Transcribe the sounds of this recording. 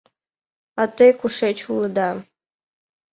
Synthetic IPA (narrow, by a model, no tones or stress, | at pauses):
at̪ejkʰʷuʂet͡ʃʰulɨd̪a